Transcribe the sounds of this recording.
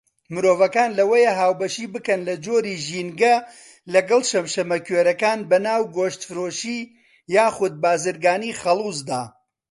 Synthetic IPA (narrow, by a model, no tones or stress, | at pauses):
mɨɾoːvɐkaːnlɐwɐjɐɦaːwbɐʃiːbɨkɐnlɐd͡ʒoːɾiːʒiːnɡɐ | lɐɡɐlˠʃɐmʃɐmɐkɥeːɾɐkaːnbɐnaːwɡoːʃt̪fɨɾoːʃiː | jaːxʊd̪̚baːzɨɾɡaːniːxɐlˠuːsd̪a̰ː